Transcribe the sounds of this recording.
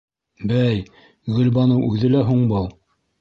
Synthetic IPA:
bæj | ɡɵ̆lbɑnɤwʔʉðɘlæɦuɴbɤlˠ

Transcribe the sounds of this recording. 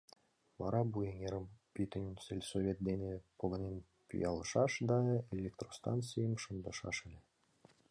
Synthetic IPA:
ʋɑ̰ɾɑbujeŋʲeɾə̆mpʲit̪ɘ̆nʲinsʲelʲsovʲet̪̚d̪ʲenʲepŏɡɤ̆nʲen | pʲy̰jɑlˠɤ̆ʃɑʃd̪ɑelʲːekt̪rost̪ɑnt̪t͡sijəmʃɤ̆nd̪ɤ̆ʃɑ̰ʃɘ̆lʲĕ

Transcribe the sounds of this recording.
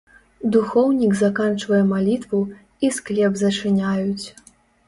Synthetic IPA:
d̪uxɔwnʲiɡzakant͡ʂvɐjɛmalʲit̪vu | isklʲɛbzɐt͡ʂɨnʲajut͡sʲ

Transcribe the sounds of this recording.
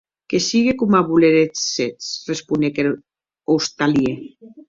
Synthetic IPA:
kesiɣekumaβuleɾesset͡srespunekeɾ | ost̪alje

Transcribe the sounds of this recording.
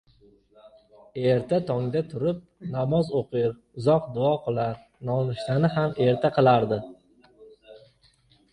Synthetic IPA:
e̞ɾt̪ʰat̪ʰɒŋd̪at̪ʰʊɾɪp̚namɒzoqʰɨɾ | ʊzɒqd̪ʊɒqʰɨlˠaɾ | nɒnɪʃlanɪɦame̞ɾt̪ʰaqʰɨlˠaɾd̪ɪ

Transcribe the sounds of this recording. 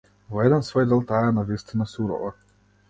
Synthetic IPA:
vɔjɛd̪ansvojd̪elˠt̪aːjanavist̪inasuɾɔ̰ʋa

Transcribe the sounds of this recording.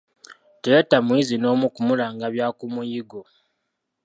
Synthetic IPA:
tejetamwizino̞ːmukumulaːŋɡaβjaːkumujiɡo

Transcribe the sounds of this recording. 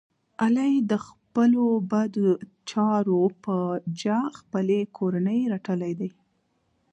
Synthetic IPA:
alajd̪əxpəlobad̪o | t͡ʃɑɾopəd͡ʒaxpəlekʰoɾanəjɾaʈəlajd̪aj

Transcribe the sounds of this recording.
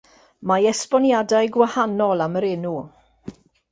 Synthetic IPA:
majɛspɔnjadajɡwahanɔlˠaməɾɪnu

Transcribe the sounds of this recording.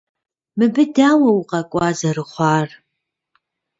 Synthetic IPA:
mɨbɨdaːwɐuqɐkʷʼɑːzɐɾɨχʷɑːr

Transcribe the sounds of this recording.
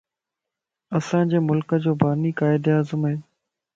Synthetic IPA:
ɐsãːd͡ʑeːmʊlkəd͡ʑoːbaːniːkaːɪd̪aːzəmɦeː

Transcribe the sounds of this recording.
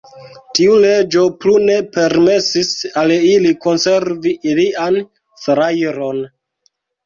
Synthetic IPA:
tiule̞d͡ʒo̞plune̞pe̞ɾme̞sisaliliko̞nse̞ɾviʔilian | sɾajɾo̞n

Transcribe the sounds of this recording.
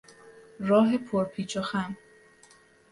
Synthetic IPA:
ɾɒːɦe̞pʰoɾpʰiːt͡ʃʰoxæm

